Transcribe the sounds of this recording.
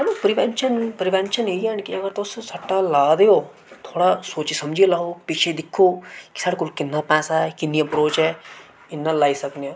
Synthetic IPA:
ɐlupɾɪʋɛnʃənpɾɪʋɛnʃəneiɛ̃nkiɐɡəɾt̪ossɐʈːalaːd̪eoː | t̪ʰoːɽasoːt͡ʃsɐmd͡ʒelaːɦopɪt͡ʃʰed̪ɪkʰːoːki̥saɽkʊlkɪnːapɛ̃ːsaɛkɪnːijãpɾoːt͡ʃɛ | ɪnːalaːisɐknia

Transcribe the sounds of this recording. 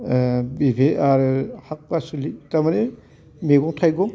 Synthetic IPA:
bibʱeaɾɯhak̚pasulitamaɾe | meɡɔŋtʰajɡɔm

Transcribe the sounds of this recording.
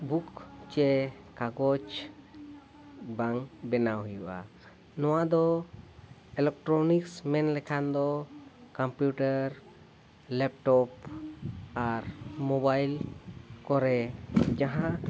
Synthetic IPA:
bukt͡ʃɛ | kaɡɔt͡ʃ | baŋbɛnawjuʔa̰ | nɔ̃wad̪ɔ | ɛlɛk̚ʈɾɔniksmɛnlɛkʰand̪ɔkampjuʈaɾ | lɛp̚ʈɔp | aɾmɔbajlkɔɾɛd͡ʒaɦã

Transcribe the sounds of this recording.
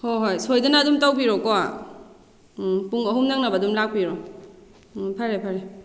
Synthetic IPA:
hojɦojsojdɐnɐːdumtɐwbiɾokoa | puŋɐɦumnɐŋnɐbɐːdumlak̚piɾo | pʰɐɾepʰɐɾe

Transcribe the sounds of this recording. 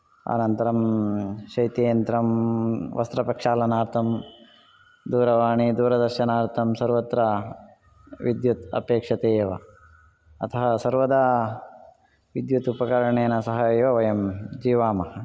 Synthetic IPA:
a̰nɐnt̪ɐɾɐmʃɐjt̪eːɐnt̪ɾɐmʋɐ̰st̪ɾɐpɐkʂaːlɐnaːɾt̪ʰɐm | d̪uːɾɐʋaːɳid̪uːɾɐd̪ɐɾʃɐnaːɾt̪ʰɐmsɐɾʋɐt̪ɾɐ | ʋid̪jut̪ɐ̰peːkʂɐt̪eːʋɐ̰ | ɐt̪ʰɐɦɐsɐɾʋɐd̪ɐ | ʋid̪jut̪upɐkɐɾɐɳeːɐnɐsɐɦɐjʋɐʋɐjɐmd͡ʒiːʋaːmɐɦɐ

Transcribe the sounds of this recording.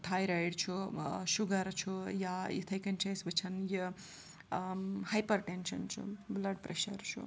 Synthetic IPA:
t̪ʰajɾajɽt͡ʃʰuʃuɡɐɾt͡ʃʰujajḭt̪ʰɐjkɐnt͡ʃʰɐjsbɨt͡ʃʰɐnji | hajpɐɾʈenʃɐ̰nt͡ʃʰṵblɐɖpɾeʃɐ̰ɾt͡ʃʰṵ

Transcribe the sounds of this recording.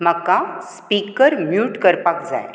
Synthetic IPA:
məkːaspikəɾmjuːʈkəɾpakd͡za̰j

